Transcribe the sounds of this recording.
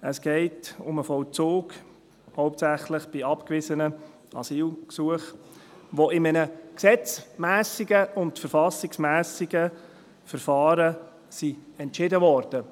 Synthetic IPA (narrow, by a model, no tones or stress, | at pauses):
əsɡ̥ɛɪtʊməfɔlt͡soːɡ | hɔʊptsæχlɪχb̥ɪɑpkvɪzənə | ɑ̰siːlksuəχ | ʋoɪmənəksɛt͡smæːsɪɡəʊntfəɾfɑsɪksmæːsɪɡə | fəɾfɑːɾə | siɛntt͡ʃɪdəʋɔɾd̥ə